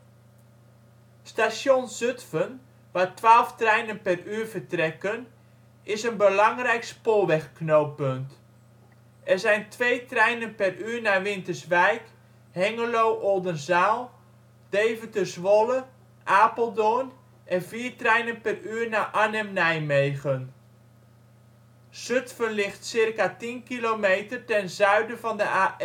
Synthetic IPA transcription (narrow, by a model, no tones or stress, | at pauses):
stasjonzøtfən | ʋatʋaːlˠftrɛjnənpɛryːrvərtrɛkən | ɪsənbəlɑŋrɛjkspolˠʋɛxknoːpønt | ɛrzɛjntʰʋeːtrɛjnənpɛryːrnaʋɪntərsʋɛjk | hɛŋəlowʔɔlˠdənzaːlˠ | d̥ejvətəsʋolə | ʔaːpəlˠdoən | ʔɛnviːrtrɛjnənpɛryːrnaːʔanɛmnɛjmejɣən | søtfənlɪχtsɪrkatinkilomejtərtɛnzœɥdəvɑndəa